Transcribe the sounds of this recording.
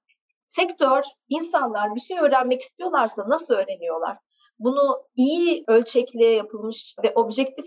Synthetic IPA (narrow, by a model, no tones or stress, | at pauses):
sɛct̪ʰøɾ | insanlˠaɾbyt̪ʰynø̞ːɾælʲmɛci̥st̪ʰijo̞lˠaɾsanasɯlˠøːɾe̞nijo̞lˠa̰ɾ̥ | bunuijiølʲt͡ʃʰɛclʲɛjapʰɯlˠmɯʃvɛʔo̞bʒɛct̪ʰif